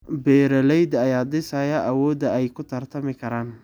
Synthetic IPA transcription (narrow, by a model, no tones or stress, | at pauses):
bɛːɾɐlɛjd̪ɐjaːd̪ɪsajɐʔɐwɔːd̪ɐɛjkʰʊt̪ʰɐrt̪ʰɐmɪkʰɐɾaːn